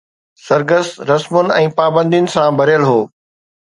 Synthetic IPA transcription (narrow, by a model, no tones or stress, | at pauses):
sɐɾɡəst̪ɾɐsmʊnɪ̆ɛ̃ːpaːbə̃nd̪ijʊnɪ̆sãbʱɐɾjəlɦoː